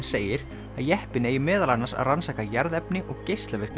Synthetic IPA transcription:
nseːjɪɾ | aðjɛhpɪneːjʏmɛːðalanːaɾsa̰ðransaːjkajɛɾðɛpnɪʔɔɣcejst̪lavɪr̥k̪

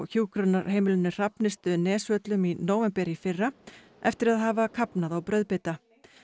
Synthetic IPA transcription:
çuːkɾœnːaɾheːjmɪlɪnːɪr̥apnɪst̪ʏnɛːsvœːt̪lʏminoːwvɛmpɛɾifɪrːa | ɛft̪ɪɾaðɦaːvakʰapnaðawpɾœɥðpɪːt̪a

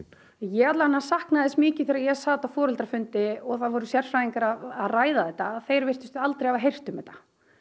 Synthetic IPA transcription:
jɛɣat̪laanːasahknaðɪsmɪːcɪθɪɾajɛsaːðt̪afɔːɾʏlt̪ɾafʏnt̪ɪɔɣθaðvɔɾʏsjɛr̥fɾajðiŋkaɾaaðraːjðaðɛht̪ːaːðθejɾvɪr̥t̪ʏst̪ʏalt̪ɾejavaɦejr̥t̪ʏmɛt̪ːḁ

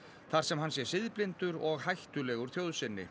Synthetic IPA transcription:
θaɾ̥sɛmɦanːsjɛ̥sɪðplɪnt̪ʏɾɔɣhajht̪ʏlɛːɣʏɾ̥θjowðsɪnːɪ̰

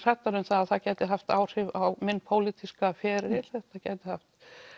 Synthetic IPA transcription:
r̥ɛt̪ːaɾʏnθaðaθaðcɛːjt̪ɪɦaft̪a̰ːwr̥ɪvawmɪnːpʰowliːt̪iskafɛːɾɪθɛht̪acɛːjt̪ɪ̥haft̪

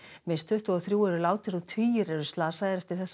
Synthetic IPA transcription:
mest̪ʰʏht̪ʏɔθɾjuːɛɾʏlaːwt̪ɪɾut̪ʰviːjʏɾɛɾʏst̪laːsaɣðɪɾɛft̪ɪɾ̥θɛsː

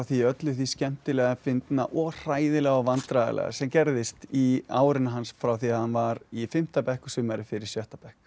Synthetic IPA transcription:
wθiœt̪lʏθiscɛm̥t̪ɪlɛːɣafɪnt̪naʔɔɣr̥aːjðɪlɛɣavant̪ɾaða̰lɛ̰ɣa̰sɛmcɛɾðɪst̪iaːwɾɪnaɦansfɾawθiahanːvaɾifɪm̥t̪apɛhkɔsʏːmaɾɪfɪɾɪ̥sjœht̪apɛhk

